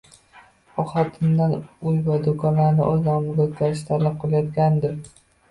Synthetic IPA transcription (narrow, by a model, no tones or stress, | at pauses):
ɒχɒt̪ʰɪnd̪anʊjvad̪okʰɒnlaɾnɪʔɒznɒmɪɡʲakʲʰaʃt̪ʰaɾlɪp̚qʰɨlˠajɒt̪kʲand̪ɪɾ